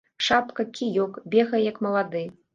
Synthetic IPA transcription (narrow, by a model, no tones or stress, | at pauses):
ʂapkɐkʲʰijɔkbʲɛɣɐjjɐkmɐlˠad̪ɨ